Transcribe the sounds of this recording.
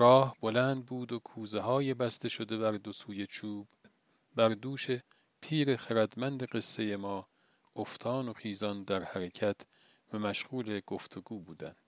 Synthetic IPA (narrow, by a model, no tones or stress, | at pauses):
ɾɒːhbo̞lænd̪̚buːd̪okʰuːzeɦɒːjebæst̪e̞ʃo̞d̪e̞bæɾd̪osuːje̞t͡ʃʰuːb̥ | bæɾd̪uːʃe | pʰiːɾe̞χæɾæd̪mænd̪e̞ɢe̞sːe̞je̞mɒː | oft̪ʰɒːno̞χiːzɒnd̪æɾhæɾecʰæt̪ʰ | væmæʃɣuːle̞ɡ̥o̞ft̪ʰo̞ɡuːbuːd̪æ̰nd̪̥